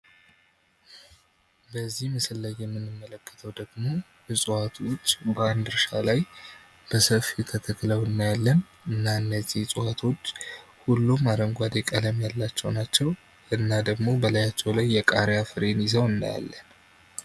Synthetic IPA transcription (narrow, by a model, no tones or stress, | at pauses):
bəzːihmɨsɨlːajːɛmːɨnːɨmːələkːə̥t̪ʰəwd̪əɡmo̞ | ɨsʼɨwat̪ʰwo̞t͡ʃːbəand̪ɨɾʃalaj | b̥əsəfit̪ʰək̪ʰət̪ːləwɨnːajalːən | ɨnːaɨnːəzːihsʼɨwat̪ʰo̞t͡ʃːhulːumaɾəŋɡʷad̪ekʼələmjalːat͡ʃːɛwnat͡ʃːɛw | ɨnːad̪əɡmo̞bəlajat͡ʃːɛwlajːɛkʼaɾjafɨɾenizəwɨnd̪a̰ja̰lːən